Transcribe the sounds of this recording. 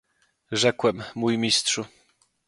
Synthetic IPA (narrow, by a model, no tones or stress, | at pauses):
ʐɛkwɛmːujmʲistʂu